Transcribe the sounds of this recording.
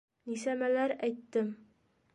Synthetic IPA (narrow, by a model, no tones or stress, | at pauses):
nisæmælæɾæjt̪ːɘm